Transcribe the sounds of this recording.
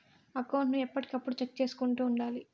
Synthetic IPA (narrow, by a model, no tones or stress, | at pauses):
ɐkɐwɳʈnuɛpːɐʈikɐpːuɽut͡ʃek̚ːt͡ʃe̞ːsu̥kuɳʈuːɳɖaːli